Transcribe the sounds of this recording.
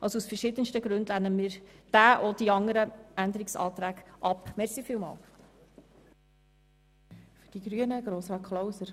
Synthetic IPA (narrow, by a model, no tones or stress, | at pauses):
ʔɑlˠsousfəʃɪdənstəɡɾʉndlænəmiːɾd̥æːʔod̥iɑŋəɾəænd̪əɾɪksɑ̰ːt̪ɾæːɡʔɑpmɛɾsifiːlˠmɑ̰ːlˠ | fyd̥iɡɾyənəɡ̥ɾoːsɑkʰlowsəɾ